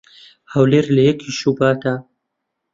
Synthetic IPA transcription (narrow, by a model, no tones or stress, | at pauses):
hawleːɾlɐjɛkʰiʃubaːt̪a